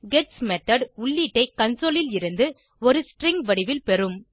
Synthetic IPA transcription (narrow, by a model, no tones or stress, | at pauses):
ɡɛʈsmɛt̪ɐɖʊɭːiːʈːɐɪkɐnsoːlɪlɪɾɯnd̪ɯ | ɔɾɯsʈɾɪŋɡʋɐɽɪʋɪlpɛɾɯm